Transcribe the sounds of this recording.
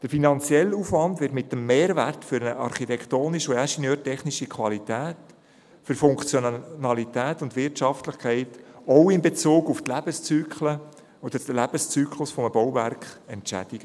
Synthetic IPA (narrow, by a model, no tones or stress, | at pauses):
d̥əɾfinɑnt͡sjɛlːufʋɑndʋɪtmɪtːəmːeːɾværtfʏɾnəʔɑɾχit̪ɛkχtoːniʃʊæʃenøːɾtɛχniʃikʰʋɑlitæːt | fʏɾfʊŋkt͡sjonɑlitæːtʊntʋɪrtt͡ʃɑftləχkʰɛɪtɔʊɪnbet͡soːɡʊftlæb̥əst͡syːkχlə | ɔd̥̪əd̥əlæb̥əst͡syːkʰlʊsfɔməbɔwværkχɛntt͡ʃæ̰d̥iɡ̥ə